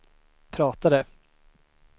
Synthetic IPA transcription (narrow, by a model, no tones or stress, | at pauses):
pʰɾɑːt̪ad̪ə